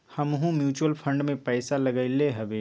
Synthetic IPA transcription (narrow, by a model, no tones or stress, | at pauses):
hɐmɦũmjuːt͡ʃuwəlpʰə̃ɳɖmẽpɛːɪsalɐɡaɪleɦɐbeː